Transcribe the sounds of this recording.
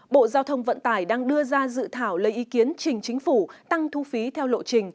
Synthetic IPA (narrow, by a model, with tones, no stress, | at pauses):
ɓo̰˧˨zaː˧wt̪ʰə˧wŋ͡mvə̰˧˨nt̪aː˧˩jɗaː˧ŋɗɨ˧əzaː˧zɨ̰˧˨t̪ʰaː˧˩wlə˨˦jʔi˨˦ki˨˦ənt͡ɕï˨˩ŋ̟t͡ɕï˨˦ŋ̟fu˧˩t̪a˧ŋt̪ʰu˧fi˨˦t̪ʰɛ˧wlo̰˧˨t͡ɕï˨˩ŋ̟